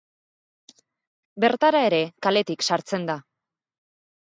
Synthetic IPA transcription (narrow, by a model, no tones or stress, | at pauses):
be̞ɾt̪aɾae̞ɾe̞kale̞t̪iksaɾt͡se̞nd̪a